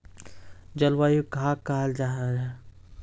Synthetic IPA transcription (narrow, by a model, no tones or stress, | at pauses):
d͡ʒɐlwaːjuɡʱaːkaːld͡ʒaːɦaɾɛ